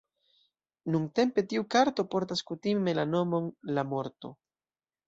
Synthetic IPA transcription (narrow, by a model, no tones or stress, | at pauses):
nuŋte̞mpe̞tiukaɾto̞po̞ɾt̬askutime̞lano̞mo̞nlamo̞ɾto̞̰